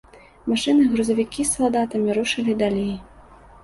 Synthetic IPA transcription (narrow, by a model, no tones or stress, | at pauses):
maʂɨnɨɣɾuzɐvʲikʲisːalˠd̪at̪ɐmʲiɾuʂɨlʲid̪alʲej